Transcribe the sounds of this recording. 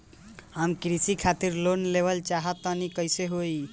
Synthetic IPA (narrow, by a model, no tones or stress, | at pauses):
ɦəmkɾisikʰat̪iɾlonleʋəlt͡ʃaɦət̪ənikəɪseɦoi